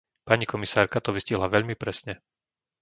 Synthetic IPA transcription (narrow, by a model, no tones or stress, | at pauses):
paɲikɔmisaːɾkat̪ɔʋisciɦlaʋɛʎmipɾɛsɲɛ